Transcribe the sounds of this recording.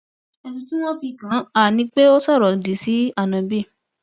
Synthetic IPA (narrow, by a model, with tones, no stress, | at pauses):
ɛ˧dũ˧ti˦w̃ɔ̃˦fi˧˨kã˨˦a˦˨nĩ˧k͡pe˦o˦sɔ˦˨ɾɔ˨di˨si˨˦a˦˨nã˨˧bi˦˨